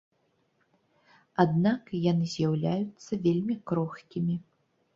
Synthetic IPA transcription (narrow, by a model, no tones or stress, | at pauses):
ad̪nakjanɨzʲjawlʲajut̪sːɐvʲelʲmʲikɾɔxkʲimʲi